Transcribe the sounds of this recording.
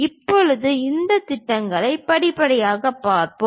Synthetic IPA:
ɪpːɔɻɯðɯɪnd̪ɐt̪ɪʈːɐŋɡɐɭɐɪpɐɽɪpɐɽɐjaːɣɐpːaːɾpo

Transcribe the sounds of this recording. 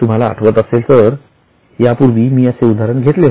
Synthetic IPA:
t̪um̤ala̰ːʈʰʋət̪əselt̪əɾ | japuɾʋiːmiːəseud̪ʱaɾəɳɡʱet̪le

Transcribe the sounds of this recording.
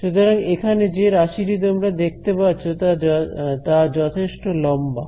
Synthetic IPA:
ʃut̪oɾaŋekʰaned͡ʑeɾaʃiɾit̪̬omɾad̪ek̚t̪epatːɕʰot̪at̪ad͡ʑɔt̪ʰeʃʈolɔmba

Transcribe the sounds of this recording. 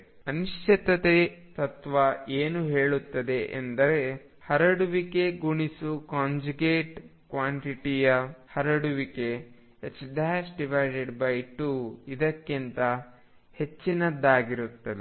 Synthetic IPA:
ɐnuʃt͡ʃʰɐt̪ɐt̪et̪ɐt̪ʋɐʔeːnuɦe̞ːɭut̪ːɐd̪e̞ʔḛnd̪ɐɾe̞ | hɐɾɐɽuʋike̞ɡuɳisukaːɲd͡ʒuɡeːʈkʋaːɳʈiʈijɐhɐɾɐɽuʋike̞ | et͡ʃd̪ʱaːsɖiʋɐjɖeɖbɐjʈuːid̪ɐkːint̪ɐ | he̞t͡ʃːinɐd̪ːaːɡiɾut̪ːɐd̪e

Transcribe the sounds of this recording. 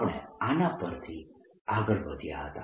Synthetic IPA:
ɳ̃ḛanapəɾt̪ʰi | aɡəɾʋəd̪ʱja̰ɦət̪a̰

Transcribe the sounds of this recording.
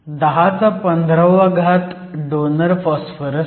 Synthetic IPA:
d̪əɦat͡sapənd̪ʱɾəʋaɡʱat̪ | ɖonəɾfɔsfəɾə

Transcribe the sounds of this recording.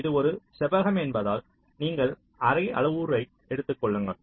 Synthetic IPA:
ɪðɯɔɾɯsɛbɐɣɐmɛnbɐðaːl | niːŋɡɐɭ | ɐɾɐɪʔɐ̰ɭɐʋuːɾɐɪ | ɛɽɯt̪ːɯkːɔɭːɯŋɡɐɭ

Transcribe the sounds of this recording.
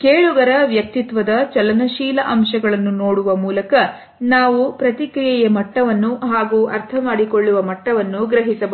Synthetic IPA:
keːɭuɡɐɾɐʋjɐk̚t̪it̪ʋɐd̪ɐt͡ʃɐlɐnɐʃiːlɐʔɐmʃɐɡɐɭɐnːunoːɽuʋɐmuːlɐkɐ | naːʋupɾɐt̪ikɾijɐjɐmɐʈːɐʋɐnːuɦaːɡuːʔɐɾt̪ʰɐmaːɽikoɭːuʋɐmɐʈːɐʋɐnːuɡɾɐɦisɐb

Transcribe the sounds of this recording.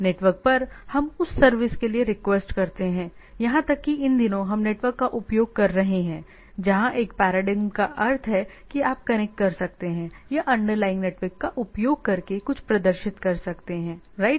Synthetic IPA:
neːʈʋəɾk̚pɐɾhɐmʊsːɐɾʋɪskelieɾɪkʋeːsʈkɐɾt̪eɦɛ̃ː | jɐɦãt̪ɐkːiɪnd̪ɪnõɦɐmneːʈʋəɾkːaʔʊpjoːɡ̚kɐɾːɐɦeɦɛ̃ː | d͡ʒɐɦãʔeːk̚pɛːɾaːɖɪɡmkaʔɐɾt̪ʰɦɛ | kiaːp̚kɐñɛk̚ʈkɐɾsɐk̚t̪eɦɛ̃jaʔɐ̃ɳɖəɾlaːɪ̃ŋɡneːʈʋəɾkːaʔʊpjoːɡ̚kɐɾkekʊt͡ʃʰpɾɐd̪əɾʃɪt̪kɐɾsɐkt̪eɦɛ̃ː | ɾaːɪʈ

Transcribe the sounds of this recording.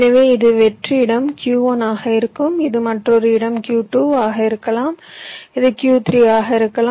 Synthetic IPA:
nɐʋeːɪðɯʋɛʈriɪɽɐmkjuːɐnaːɣɐɪɾɯkːɯmɪðɯmɐʈrɔɾɯɪɽɐmkjuːʈuːaːɣɐɪɾɯkːɐlaːmɪðɯkjuːt̪ɾiaːɣɐɪɾɯkːɐlaː

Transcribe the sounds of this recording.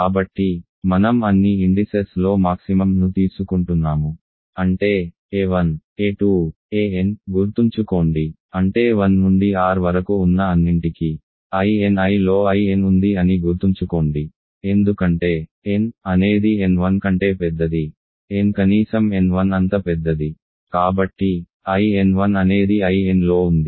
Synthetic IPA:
kaːbɐʈːi | mɐnɐmɐnːiiɳɖiseslo̞ːmaːksimɐmnut̪iːsukuɳʈunːaːmu | ɐɳʈe̞ː | eːʋɐn | eːʈuː | eːenɡuɾt̪uɲt͡ʃuko̞ːɳɖi | ɐɳʈe̞ːʋɐnːuɳɖiaːɾʋɐɾɐkuːnːɐɐnːiɳʈiki | ɐjenɐjlo̞ːɐjenund̪iɐniɡuɾt̪uɲt͡ʃukoːɳɖi | e̞nd̪ukɐɳʈe̞ː | enɐne̞ːd̪ienʋɐnkɐɳʈe̞ːpɛd̪ːɐd̪i | enkɐniːsɐmenʋɐnɐnt̪ɐpɛd̪ːɐd̪i | kaːbɐʈːi | ɐjenʋɐnɐne̞ːd̪iɐjenlo̞ːund̪i

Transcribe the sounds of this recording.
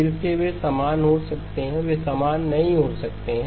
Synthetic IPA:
ɪlseʋesamaːnɦosɐk̚t̪eɦɛ̃ʋesamaːnːɐɦĩɦosɐk̚t̪eɦɛ̃

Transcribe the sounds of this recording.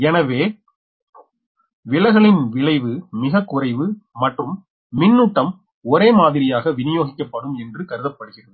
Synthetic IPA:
ɛnɐʋeː | ʋɪɭɐɪɣɐɭɪnʋɪɭɐɪʋɯmɪɣɐkːʊrɐɪʋɯmɐʈrɯmː | ɪnːuʈːɐm | ɔɾeːmaːðɪɾɪjaːɣɐʋɪnɪjoːɣɪkʲːɐpːɐɽɯmɛndrɯkɐɾɯðɐpːɐɽɯɣɪrɐðɯɯ

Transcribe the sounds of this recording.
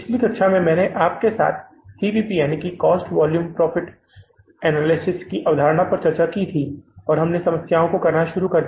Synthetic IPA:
ɪt͡ʃʰlikɐʃʰamẽmɛ̃ːneʔaːp̚kesa̰ːt̪ʰ | siːʋiːpijaːnikikɔːsʈʋɔːljuːmpɾɔːfɪʈ | ɛːnaːlɪsɪskiʔɐʋd̪ʱaːɾəɽ̃apɐɾt͡ʃɐɾt͡ʃakit̪ʰiɔːɾɦɐmnesɐməsjaːõkokɐɾnaʃʊɾukɐɾd̪

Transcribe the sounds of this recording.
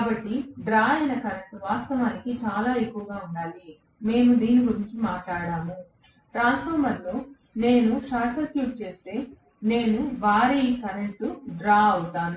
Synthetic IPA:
kaːbɐʈːiɖɾaːɐjnɐkɐɾeɳʈuʋaːst̪ɐʋaːnikit͡ʃaːlaːe̞kːuʋɐɡaːuɳɖaːli | me̞ːnud̪iːniɡuɾiɲt͡ʃimaːʈlaːɽaːmu | ʈɾaːnspʰɔːɾmɐɾloː | ne̞ːnuʂaːkɐkjuːʈ̚t͡ʃe̞ːst̪e̞ː | ne̞ːnuʋaːɾiikɐɾeɳʈuɖɾaːɐwut̪aːnu

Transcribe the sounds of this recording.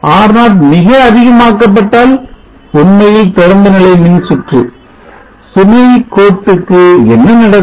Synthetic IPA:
aːɾnaːlmɪɣɐɐðɪɣɐmaːkːɐp̬ːɐʈːaːl | ʊnmɐjɪlt̪ɪɾɐnd̪ɐnɐlɐɪmɪnsɪʈrɯ̰ | sʊmɐjkoːʈːɯkːɯɛnːɐnɪɽɐ

